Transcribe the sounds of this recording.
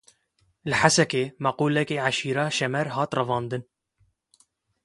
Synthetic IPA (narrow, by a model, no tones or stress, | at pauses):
lɨħasɛkeːmæquːlɛkeːʕaʃiːɾɑːʃɛmɛɾɦɑːt̪rɨvɑːnd̪ɨn